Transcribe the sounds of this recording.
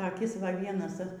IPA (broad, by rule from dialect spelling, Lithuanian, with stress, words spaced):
tɐˈkʲɪs ˈʋɐ ˈʋʲiɛnɐs